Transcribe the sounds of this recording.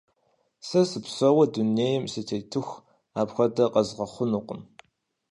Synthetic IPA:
sɐsɨpsɐwɐduneːjɛmsɨtʰeːtʰɨxʷ | aːpxʷɐdɐqʼɐzʁɐχʷʊnuqʷʊn

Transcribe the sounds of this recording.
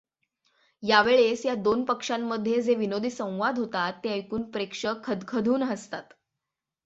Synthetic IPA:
jaʋeɭesjad̪onpəkʂamːəd̪ʱːjed͡zeʋinod̪ʱiːsə̃w̃ʋad̪ʱɦot̪at̪ːeəjkuːnpɾekʂəkʰəd̪kʰəd̪ʱuːnɦəst̪at̪

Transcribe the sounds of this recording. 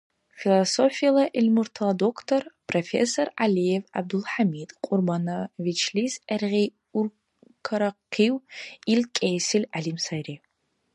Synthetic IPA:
filˠɐsofijɛlɐʔɪlmurtʰɐlɐdokʰtʰorpʰrofḛsoralijɛva̰b̚d̪ulħamiːdqʷʼʊrbanɐvit͡ʃʰliːzɐrʁeː | ʊr | kʰɐɾɐqiːwilkʼeːsɪlʲaɮiːmsɐjriː

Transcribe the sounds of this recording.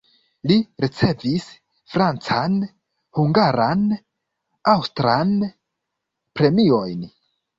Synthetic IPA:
liɾit͡se̞vis | fɾant͡san | huŋɡaɾan | awstɾan | pɾe̞mio̞jn

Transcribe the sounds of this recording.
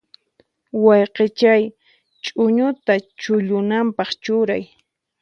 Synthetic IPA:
wɑjqet͡ʃaj | t͡ʃʼʊɲʊt̪at͡ʃʊʎʊnampɑχt͡ʃʊɾaj

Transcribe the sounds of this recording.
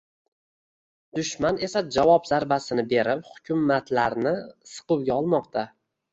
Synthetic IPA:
d̪̥ʊʃmane̞sad͡ʒavɒpz̥aɾbasɪnɪbe̞ɾɪphʊkʲʰʊmːat̪laɾnɪsɨ̥qɨwɡʲaɒlˠmɒqt̪ʰa

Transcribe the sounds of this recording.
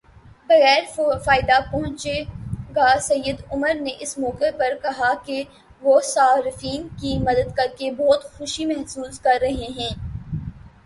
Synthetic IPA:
bɐɣɛːɾfaːɪd̪apɔɦʊ̃t͡ʃeɡasɐjːəd̪ʊməɾneʔɪsmɔːqepɐɾkɐɦake | ʋoːsaːɾɪfiːnkimɐd̪əd̪kɐɾkebɔːt̪xʊʃimɛɦsuːzkɐɾːɐɦeɦɛ̃ː

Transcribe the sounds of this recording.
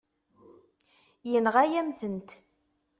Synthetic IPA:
jənʁæjæmθənt̪

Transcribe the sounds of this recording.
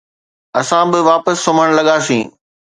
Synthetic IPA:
ɐsãbɪʋaːpəsːoməɽ̃lɐɠaːsḭ̃ː

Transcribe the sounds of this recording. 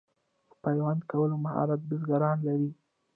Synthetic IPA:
d̪̥əpajwand̪kawəlomahɑ̰ɾat̪̚bəzɡaɾɑnlaɾi

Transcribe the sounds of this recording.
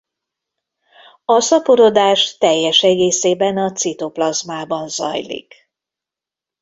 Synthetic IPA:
ɒsɒpoɾo̞d̪aːʃt̪ɛjːɛʃɛɡeːseːbɛnɒt̪sit̪oplɒzmaːbɒnzɒ̰jlḭk

